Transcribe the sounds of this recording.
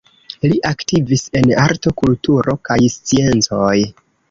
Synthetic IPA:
liʔaktivise̞naɾto̞kultuɾʔo̞kajst͡sie̞nt͡so̞j

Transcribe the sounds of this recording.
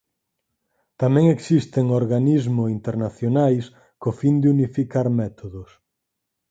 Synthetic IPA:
t̪amɛ̃ŋeksist̪eŋoɾɣanizmʊint̪eɾnaθjonajs | kofind̪ɪunifikaɾmɛt̪ʰoðʊs

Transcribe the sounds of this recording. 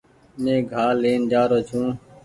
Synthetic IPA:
mẽːɡʱaːleːnd͡ʒaːɾoːt͡ʃʰũː

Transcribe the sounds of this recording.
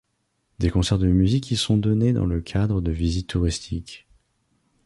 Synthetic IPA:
d̪ekɔ̃sɛʁd̪əmyzikʲisɔ̃d̪ɔned̪ɑ̰̃ləkʲʰad̪ʁəd̪əvizit̪ʰːuʁist̪ʰikʲ

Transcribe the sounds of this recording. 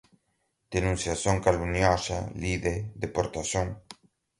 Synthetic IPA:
d̪̥enũnsjasjoŋkalunjɔʃa̰liðed̪epoɾt̪asjoŋ

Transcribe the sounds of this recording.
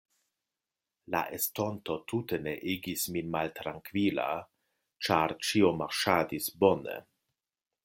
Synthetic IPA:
la̰ʔesto̞nto̞tute̞neʔiɡisminmaltɾaŋkvila̰ | t͡ʃaɾt͡ʃiomaɾʃadisbo̞nḛ

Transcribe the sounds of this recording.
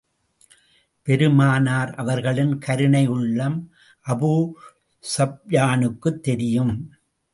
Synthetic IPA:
pɛɾɯmaːnaːɾʔɐʋɐɾɣɐɭɪnkʰɐɾɯnɐɪɯɭːɐm | ʔɐbuː | sɐb̚jaːnɯkːɯt̪ːɛɾɪjɯm

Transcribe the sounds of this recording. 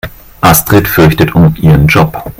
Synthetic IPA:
ʔastʁ̥ɛtfʏɐçtətʰʊnʔiːʁənd͡ʒɔp

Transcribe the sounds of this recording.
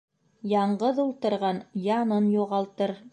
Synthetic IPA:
jɑɴɢɤðulˠt̪ɤ̆ɾʁɑnjɑnɤnjuʁɑlˠt̪ɤɾ

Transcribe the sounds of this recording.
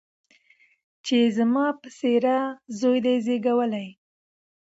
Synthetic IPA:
t͡ʃezmɑpəseɾazojd̪ezeɡawəlaj

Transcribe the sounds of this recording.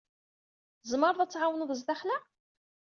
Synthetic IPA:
zˤməɾˤðˤæt͡sːʕawənuðəzd̪æχlæ

